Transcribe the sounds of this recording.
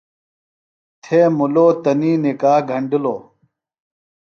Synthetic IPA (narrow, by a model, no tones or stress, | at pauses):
t̪ʰeːmuloːt̪ɐniːnikaːhɡʱɐɳɖilo̰ː